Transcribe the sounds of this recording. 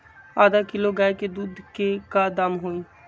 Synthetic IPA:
aːd̪akɪloɡaeked̪uːd̪ʱkekad̪amɦoːi

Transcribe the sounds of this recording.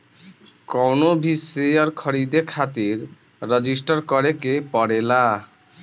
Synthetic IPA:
kɔwnobʱisejɔɾkʰɔɾid̪ekʰat̪iɾː | əd͡ʑisʈɔɾkɔɾekepɔɽela

